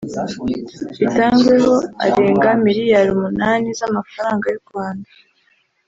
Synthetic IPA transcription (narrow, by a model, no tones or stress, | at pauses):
βitaːŋɡwe̞ɦo̞a̰ɾeːŋɡamiɾijaɾumunaːnizamafaɾaːŋɡajuɾɡwaːndḁ